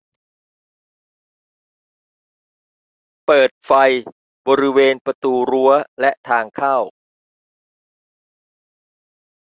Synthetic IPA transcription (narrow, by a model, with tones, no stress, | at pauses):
pɤː˨˩t̪̚fa˧j | bɔː˧ɾi˦˥weː˧npɾa˧t̪uː˧ɾu˦˥ɐlɛ˦˥ʔt̪ʰaː˧ŋkʰaː˥˩w